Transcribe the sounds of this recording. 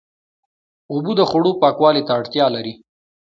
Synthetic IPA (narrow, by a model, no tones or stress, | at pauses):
ubud̪əxʊɽopɑkwɑlet̪aːɽt̪jɑlaɾi